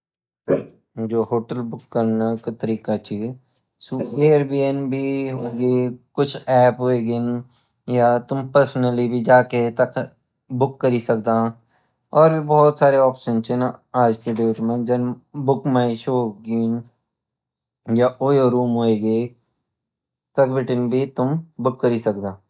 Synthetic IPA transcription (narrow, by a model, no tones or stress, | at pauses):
d͡ʒoːɦoːʈəlbʊkːɐɾnakat̪ɐɾiːkat͡ʃʰi | suːeːɾbiːenbʱiɦoːɡekʊt͡ʃʰɛːpɦoeɡen | jat̪ʊmpəɾsnəlibʱid͡ʒaːket̪ɐk | bʊkːɐɾisɐkd̪aã | ɔːɾibɔːɔt̪saːɾeɔːpʃənt͡ʃẽnaaːd͡ʒked̪eːʈmə̃nd͡ʒɐnbʊkmaːĩʃoːɡiːn | jaʔoːjoɾuːmɦoːeɡe | t̪ɐkbɪʈənbʱit̪ʊmbʊkːɐɾisɐkd̪ãː